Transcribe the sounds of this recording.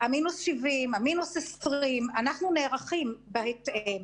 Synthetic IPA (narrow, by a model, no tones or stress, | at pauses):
aminusʃivimaminusesʁimanaχnune̞ːʁaχimbehetʔem